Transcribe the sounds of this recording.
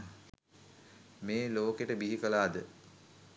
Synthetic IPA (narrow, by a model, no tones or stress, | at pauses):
meːloːkeʈəbiɦikəlaːd̪ə